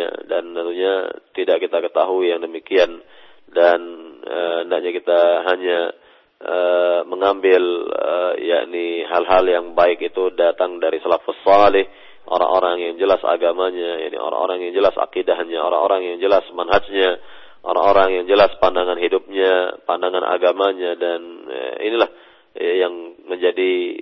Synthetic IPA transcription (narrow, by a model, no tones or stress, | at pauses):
a̰dant̪ənt̪uɲat̪idaʔkit̪akət̪aɦuijaŋdəmikian | danəəndaʔ̚ɲakit̪aɦaɲa | əməŋambɪlə̰ja̰ʔniɦalɦaljaŋbaɪkit̪udat̪aŋdaɾisalafusɑlɪh | ʔo̰ɾa̰ŋʔoɾaŋjaŋd͡ʒəlasa̰ɡamaɲaja̰ʔnḭo̰ɾa̰ŋo̰ɾaŋjaŋd͡ʒəlasa̰kidaɦɲaoɾa̰ŋoɾaŋjaŋd͡ʒəlasmanɦad͡ʒɲa | ʔo̰ɾa̰ŋoɾaŋjaŋd͡ʒəlaspandaŋanɦidup̚ɲapandaŋanʔa̰ɡamaɲadanə̰ḭnilah | jaŋməɲd͡ʒadi